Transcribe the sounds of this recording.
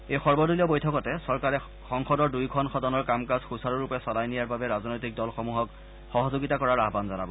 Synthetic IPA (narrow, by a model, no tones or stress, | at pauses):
ejxɔɹbɔduliɔbojtʰɔkɔtɛsɔɹkaɹɛ | xɔŋxɔdɔɹdujkʰɔnxɔdɔnɔɹkamkazxusaɹuɹupɛsɔlajnijaɹbabɛɹaznojtik̚dɔlxɔmuɦɔk | xɔɦɔzoɡitakɔɹaɹaɦbanzɔna̰bɔ